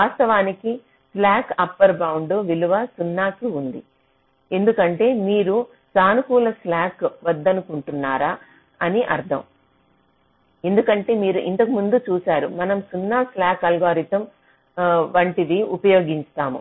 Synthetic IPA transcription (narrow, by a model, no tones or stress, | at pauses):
ʋaːst̪ɐʋaːniki | slaːkɐpːɐɾbɐwuɳɖoʋiluʋɐsunːaːkiund̪i | e̞nd̪ukɐɳʈe̞ːmiːɾu | saːnukuːlɐslaːkʋɐd̪ːɐnukuɳʈunːaːɾaː | ɐniʔɐɾd̪ʰʱɐ̰m | e̞nd̪ukɐɳʈe̞ːmiːɾuʔint̪ɐkumund̪ut͡ʃuːsaːɾumɐnɐmsunːaːslaːkɐlɡaːɾit̪ɐm | ʋɐɳʈiʋiupɐjoːɡiɲt͡ʃt̪aːmṵ